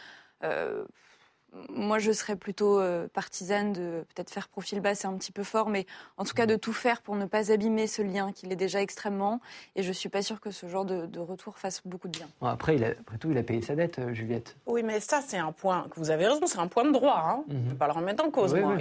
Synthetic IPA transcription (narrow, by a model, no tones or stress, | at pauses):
ø̰ | mwaʒəsəʁɛplyt̪oøpaʁt̪ʰizand̪əpøt̪ɛt̪χfɛʁpχɔfilbasɛt̪ɛ̃pət̪i̥pøfɔʁmɛɑ̃t̪u̥kad̪ət̪ufɛʁpuʁnəpazabimesəljɛ̃kʲilɛd̪eʒaɛkst̪χɛmːɑ̃eʒəsɥipasyʁkəsəʒɑ̃ʁd̪əd̪əʁət̪ʰuʁfasbokud̪əbjɛ̃aa̰pχɛila̰apχɛt̪uilapejesad̪ɛt̪øʒyljɛt̪wimɛsasɛt̪ɛ̃pwɛ̃kəvuzaveʁezɔ̃sɛt̪ɛ̃pwɛ̃d̪əd̪ʁwaɛ̃nəpaləʁɔ̃mjɛ̃t̪ɑ̃koza